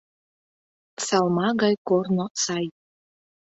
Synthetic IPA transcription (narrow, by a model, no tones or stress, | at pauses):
sɑlˠmɑɡɑjkornosɑj